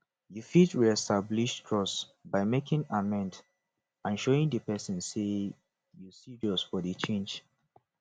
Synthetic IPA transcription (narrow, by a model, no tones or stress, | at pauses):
jufitɹiɛstabliʃkʰɹ̥ɔsbaɪmekĩŋamɛ̃nd | ãnʃoĩŋdəpɛsə̃nse | jusidosfɔdət͡ʃʰẽnd͡ʒ